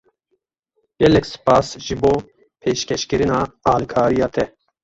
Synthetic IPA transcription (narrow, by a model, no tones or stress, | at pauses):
jɛlɛkʲsɨ̥pɑːsʒɨboː | pʰeːʃkʲɛʃkɨɾɨnɑːɑːlikʰɑːɾijɑːt̪ʰɛ